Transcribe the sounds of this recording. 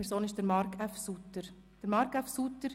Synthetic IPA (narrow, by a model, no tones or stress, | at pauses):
ɛɾsoːnɪʃd̥əɾmɑɾkʰafsut̪ːəɾ | d̥əɾmɑɾkafsutəɾ